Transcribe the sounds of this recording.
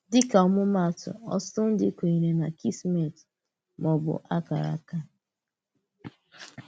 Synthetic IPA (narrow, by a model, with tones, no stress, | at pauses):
dɪ˦ka˨ɔ˨˦mʊ˦ma˦˨tʊ̰˨ɔ̰˦stʊ˦n̩˦dɪ̰˦kʷe˨i˨ɾe˨na˨ki˦sme˨t | mɔ˨bʊ̰˨ʔa˦ka̰˨ɾa̰˨ka˦